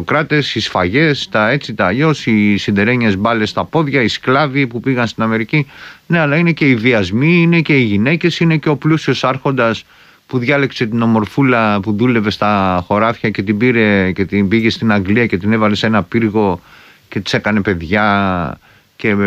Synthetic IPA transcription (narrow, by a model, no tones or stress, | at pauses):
okɾɐt̪e̞sisfɐʝe̞st̪ɐe̞t͡sit̪ɐːʎo̞sisind̪e̞ɾe̞ɲezbɐle̞st̪ɐpo̞ðʝɐisklɐvipupiɣɐnst̪inɐme̞ɾicine̞ɐlɐine̞ce̞iðiɐzmiine̞ce̞iʝine̞ce̞sine̞ceo̞plusio̞sɐɾxo̞nd̪ɐs | puðʝɐlekse̞t̪ino̞mo̞ɾfulɐpuðule̞ve̞st̪ɐxo̞ɾɐfçɐce̞t̪ibiɾe̞cet̪imbiʝe̞st̪inɐŋɡliɐce̞t̪inevɐle̞senɐpiɾɣo̞ | ce̞t̪i̥sekɐne̞pe̞ðʝɐ | ce̞